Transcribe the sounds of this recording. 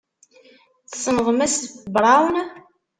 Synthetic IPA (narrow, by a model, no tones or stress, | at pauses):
θsˤənəʁmæsθbɾˤɑwn